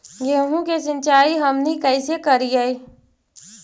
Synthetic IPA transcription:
ɡeːɦũkes̬ə̃nt͡ʃaːiɦəmnikəɪsekəɾiəi

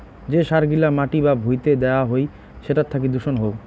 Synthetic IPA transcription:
d͡ʑeʃaɾɡilamaʈibabʱujt̪ed̪eoaɦoj | ʃeʈat̪ʰːak̬id̪uʃonɦow

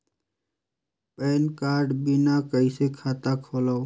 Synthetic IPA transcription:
peːnkaːɾɖbinakəjsekʰat̪akʰolaw

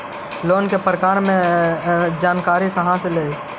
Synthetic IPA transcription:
loːnkepɾəkaːɾmẽ | d͡ʒaːnkaːɾikɐɦãsele

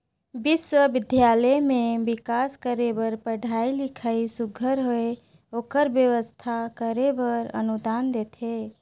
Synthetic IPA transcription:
biswəbɪd̪ʱjaləmẽbɪkaskəɾebəɾpəɖʱailɪkʰaisuɡʱəɾɦoe | oːkəɾbjəʋəst̪ʰakəɾebəɾə̰nud̪aːnd̪et̪ʰe

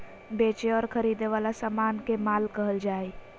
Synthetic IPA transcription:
beːt͡ʃeɔːɾkʰəɾid̪eʋaːlasaːmaːnkemaːlkəɦəld͡ʒaːe

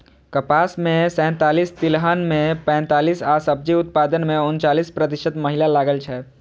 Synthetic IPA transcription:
kəpaːsmẽsɛ̃ːt̪aːlist̪ɪlɦaːnmẽpɛ̃ːnt̪aːliːsaːsəb̚d͡ʒiʊt̪̚paːd̪ənmẽʊnt͡ʃaːliːspɾət̪ɪʃəd̪məɦɪlalaːɡəlt͡ʃʰɛː

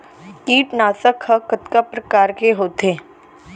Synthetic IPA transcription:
kiːʈnaːsəkhəkət̪kapɾɐkaːɾkeɦoːt̪eː

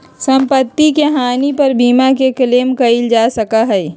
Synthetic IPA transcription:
sɐ̃mpət̪ːikeɦaːnipɐɾbʱiːmakekɐleːmkɐɪld͡ʒaːsɐkaɦɛː

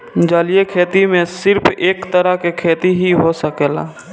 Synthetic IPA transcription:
d͡ʒaːlijekʰeːt̪imẽsɪɾpʰeːkt̪əɾakekʰeːt̪iɦiɦosəkɛla̰ː

